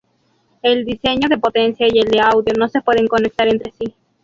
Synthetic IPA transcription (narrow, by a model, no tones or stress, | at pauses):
e̞ld̪ise̞ɲo̞ðe̞pot̪e̞nsjaield̪eawðjo̞no̞se̞pwe̞ðe̞ŋko̞ne̞k̚t̪aɾe̞nt̪ɾe̞si